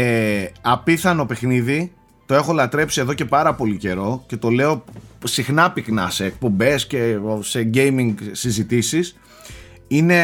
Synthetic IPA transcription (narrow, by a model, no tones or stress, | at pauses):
eɐpiθɐno̞pe̞xniði | t̪o̞e̞xo̞lɐt̪ɾe̞psie̞ðo̞ce̞pɐɾɐpo̞lice̞ɾo̞ce̞t̪o̞le̞o̞sixnɐpiknɐ̰se̞ːk̚po̞mbe̞sce̞se̞ɟe̞jmiŋɡsizit̪isis | ine̞